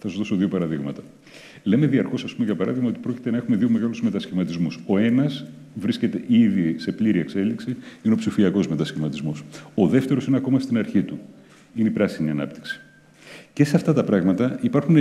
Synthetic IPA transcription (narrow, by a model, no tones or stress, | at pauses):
θɐsuzðo̞so̞ðiopɐɾɐðiɣmɐ̰t̪ɐ | le̞me̞ðiɐɾxo̞sɐspumeʝɐpɐɾɐðiɣmɐo̞t̪ipɾo̞ci̥t̪e̞nɐexume̞ðio̞me̞ɣɐluzme̞t̪ɐsçimɐt̪izmuso̞e̞nɐz | vɾisce̞t̪e̞ʔiðise̞pliɾie̞kse̞liksiineopsifiɐko̞zme̞t̪ɐsçimɐt̪izmoso̞ðe̞ft̪e̞ɾo̞sineɐko̞mɐst̪inɐɾçit̪u | ineipɾɐsiniɐnɐ̰p̚t̪i̥ksi̥ | ce̞seɐft̪ɐt̪ɐpɾɐɣmɐt̪ɐipɐɾxun